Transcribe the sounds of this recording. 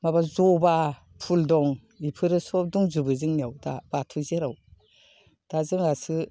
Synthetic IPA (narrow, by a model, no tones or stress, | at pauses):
mabazɔba | pʰuldɔŋ | ipʰɯɾɯsɔduŋzubɯzɯŋniawda̰batʰɔzeɾaw | d̥azɯŋasɯ